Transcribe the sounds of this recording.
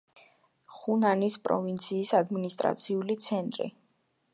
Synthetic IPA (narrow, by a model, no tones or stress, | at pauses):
χunanispʼɾɔ̰vint̪sʰiːsad̪minist̪ʼɾa̰t̪sʰiulit̪sʰɛnt̪ʼɾḭ